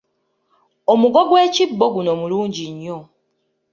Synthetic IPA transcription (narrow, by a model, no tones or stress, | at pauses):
omuɡoɡwe̞ːcibːoɡuno̞muluːɲɟiɲːo